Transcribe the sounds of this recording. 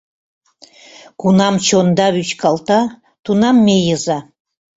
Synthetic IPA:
kunɑmt͡ɕond̪ɑβyt͡ɕkɑlˠt̪ɑ | t̪unɑmːejɤzɑ

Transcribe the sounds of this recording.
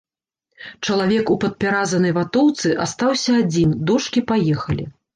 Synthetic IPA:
t͡ʂɐlˠavʲɛkupɐt̪̚pʲaɾazɐnɐjvat̪ɔwt̪sɨʔast̪awsʲɐːd͡zʲind̪ɔʂkʲipajɛxɐlʲḭ

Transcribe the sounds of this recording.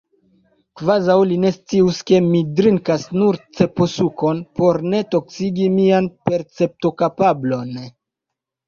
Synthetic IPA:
kvazawline̞st͡siuske̞midɾiŋkasnuɾt͡se̞po̞suko̞npo̞ɾne̞to̞ksiɡimianpe̞ɾt͡se̞p̚to̞kapablo̞n

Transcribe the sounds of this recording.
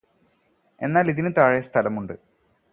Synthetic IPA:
e̞̰nːaːliðinɨt̪aːɻejɐst̪ʰɐlɐmuɳɖɨ

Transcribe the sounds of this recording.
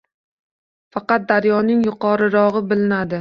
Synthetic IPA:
fɑqɑt̪̚d̪aɾjɒnɪŋjʊqʰɒɾɪɾɒʁɨbɪlɪnad̪ɪ

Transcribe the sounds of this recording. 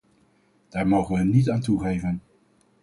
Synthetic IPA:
d̥aːɹmowχənʋəɦənnitaːntuχejvən

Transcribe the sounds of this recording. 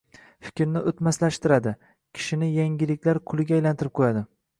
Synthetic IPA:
fɪ̥kʲɾnɪʔot̪maslaʃt̪ɪɾad̪ɪ | kʲʰɪ̥ʃɪnɪjaŋʲɪlɪkʲlaɾkʰʊlˠɪɡʲajlant̪ʰɪɾɪp̚qʰojad̪ɪ

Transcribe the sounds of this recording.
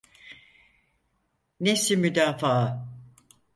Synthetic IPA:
nesimyd̪aːfaːa

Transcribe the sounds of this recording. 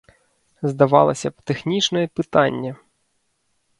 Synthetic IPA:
zd̪ɐvɑ̰lˠɐsʲɐt̪ɛxnʲit͡ʃnɐjɛpɨt̪anʲːɐ

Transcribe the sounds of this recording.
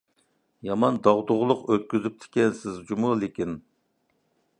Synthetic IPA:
jɑmɑnd̪ɑʁd̪ʊʁlˠʊqøt̪̚kʲyzyp̚t̪ʰɪ̥kʲɛnsɪzd͡ʒumulɪkʲin

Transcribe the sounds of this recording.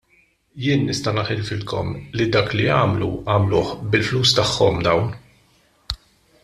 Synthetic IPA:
jɪːnːɪst̪ɐnɐħɪlfɪlkɔ̰mlid̪ɐːkliɐːmlṵɐːmlʊːħbɪlfluːst̪ɐħːɔmd̪ɐwn

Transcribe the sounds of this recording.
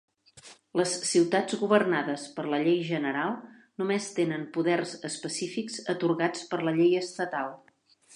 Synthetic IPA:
ləsːiwt̪ḁd͡zɣuβərnaðəspəɾləʎejʒənəɾalˠ | numest̪enəmpuðɛrzəspəsifikz̥ət̪uɾɣat͡spəɾləʎejəst̪ət̪alˠ

